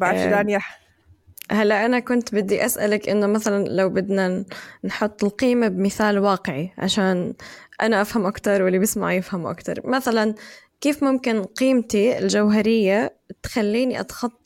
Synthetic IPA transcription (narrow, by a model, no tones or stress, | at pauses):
baʕʃd̪anjaħ | halːaʔanakʊnt̪bɪd̪ːiʔasʔalakʔɪ̰nːʊmaθalanlawbɪd̪nanħʊt̪ˤːɪlqiːmabmɪθaːlwɑːqɪʕiʕa̰ʃaːnʔa̰naʔafhamʔakt̪ɑɾˤwɪlːibɪsma̰ʕjɪfhamuʔa̰kt̪ɑ̰ɾˤmaθalankiːfmʊmkɪnqiːmt̪iɪ̰ld͡ʒawɦaɾɪjːa | t̪xalːiːniʔɑ̰t̪xɑt̪ˤː